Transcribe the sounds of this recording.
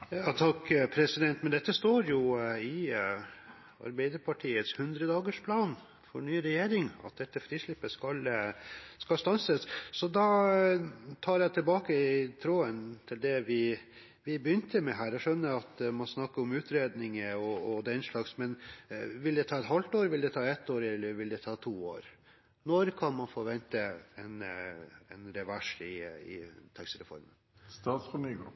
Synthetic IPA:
jɑt̪ʰɑkːpʰɾɛsɪd̪ɛnt̪mɛnd̪ɛt̪ːəst̪oːɾjʊɪ | ɑ̰ɾbæɪd̪əɾpʰɑʈʰiːət̪shʉnd̪ɾəd̪ɑːɡəʂpʰlɑːn | fɔɳyːɾɛjeːɾɪŋɑ̰t̪̚d̪ɛt̪ːəfɾiːʂlɪpːəskɑl | skɑlst̪ɑnsəssɔd̪ɑ | t̪ʰɑːɾjæɪt̪ʰɪlbɑːkəɪt̪ʰɾoːənt̪ʰɪld̪ɛʋɪ | ʋɪbəjʏnt̪əmɛɦæːɾæʂœnːəɾɑt̪mɑnsnɑkːəɔmʉːt̪ɾeːd̪nɪŋəɔːd̪ɛɪnʂɭɑːɡsmɛnʋɪld̪ɛt̪ʰɑːɛt̪hɑlt̪oːɾʋɪld̪ɛt̪ʰɑːɛt̪ːoːɾɛlːəɾʋɪld̪ɛt̪ʰɑːt̪ʰuːo̰ːɾ | nɔɾkʰɑnmɑnfoʋɛnt̪əɛn | ɛnɾɛʋæʂɪɪ̰t̪ʰɛksɾɛ̰fɔ̰ɾmənst̪ɑːt̪sfɔmyːɡ

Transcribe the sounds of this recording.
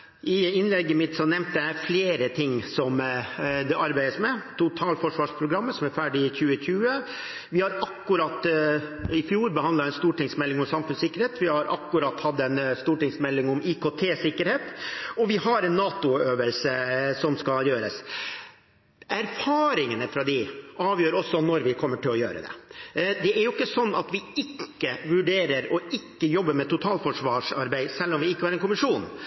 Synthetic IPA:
ʔɪɪnlɛɡːəmɪt̪sɔnɛmnt̪ɛæfleːɾət̪ʰɪŋːsɔmd̪ɛʔɑɾbæɪd̪əsmɛt̪ʰʊt̪ʰɑːlfɔʂʋɑːʂpʰɾʊɡɾɑmːəsɔmæɾfæːɖɪɪçʉːəçʉːə | ʋɪhɑɾɑkːʉɾɑt̪ː | ɪfjuːɾbəhɑnd̪ɑɛɪnst̪uːʈɪŋsmɛlːɪŋɔmsɑmfʉnsɪkːəɾheːt̪ʋɪhɑɾɑ̰kːʉɾɑt̪ːhɑd̪ːɛnst̪uːʈɪŋsmɛlːɪŋʊmikʰoːt̪ʰeːsɪkːəɾheːt̪ɔʋɪhɑɾɛnːɑːt̪ʊøːʋəlsəsɔmskɑljøːɾə̰s | ʔæɾfɑːɾɪŋənəfɾɑd̪ɪʔɑːʋjøːɾɔsːɔnɔɾʋɪkʰɔmːəʈɪlːɔjø̰ːɾə̰d̪ɛ̰d̪ɛæɾjʊɪkːəsɔnːɑ̰t̪ʋɪɪkːəʋʉɖeːɾəɾɔɪkːəjɔbːəɾmɛt̪ʊt̪ʰɑːlfɔʂʋɑːʂɑɾbæɪsɛlːɔmʋɪɪkːəhɑɾɛnkʊmɪʂuːn

